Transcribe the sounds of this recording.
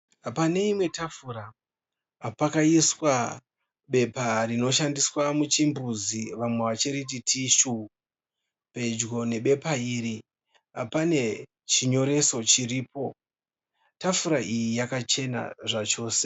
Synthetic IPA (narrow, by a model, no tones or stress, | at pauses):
apane̞imwe̞tafuɾaː | pakaiswa | ɓe̞parino̞ʃ̬andiswamut͡ʃimbuziʋamwe̞ʋat͡ʃeɾit̬itʰiʃu | pe̞d͡ʒɡo̞ne̞ɓe̞paiːɾi | a̰pane̞ | t͡ʃiɲo̞ɾe̞so̞t͡ʃiɾiːpo̞ | tafuɾaʔijijakat͡ʃe̞na̰ʐat͡ʃo̞ːse̥